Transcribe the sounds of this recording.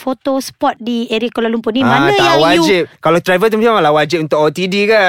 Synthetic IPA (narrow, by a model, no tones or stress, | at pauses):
fot̪ospɔt̪̚dieɾikolalumpunimãnət̪ajawaud͡ʒip̚kalat̪ɾajvət̪umat͡ʃamalawad͡ʒip̚unt̪ʊkɔt̪idika